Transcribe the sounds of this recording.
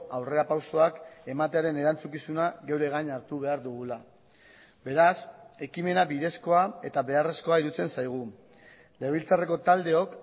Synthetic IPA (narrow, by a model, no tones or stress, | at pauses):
awre̞apawso̞ake̞mat̪e̞aɾe̞ne̞ɾant͡sukisunaɣe̞wɾe̞ɣ̞aɲaɾt̪uβe̞aɾðuɣ̞ula | be̞ɾase̞kime̞nabiðe̞sko̞ae̞t̪aβe̞are̞sko̞aiɾut͡se̞nsajɣ̞u | le̞β̞ilt͡sare̞ko̞t̪ald̪e̞o̞k